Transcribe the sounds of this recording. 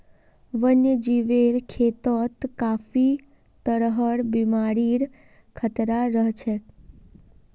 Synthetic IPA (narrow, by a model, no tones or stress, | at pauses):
ʋənjəd͡ʒiʋeɾkʰet̪ɔt̪kafi | t̪əɽɦəɽbimaɽiɽ | kʰət̪ɾaɾəɦt͡ʃʰe